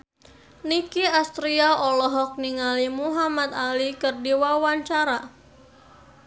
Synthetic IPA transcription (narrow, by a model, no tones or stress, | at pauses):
nikiast̪ɾiaɔlɔɦɔk̚niŋalimuɦamat̪alikərdiwawaɲt͡ʃaɾa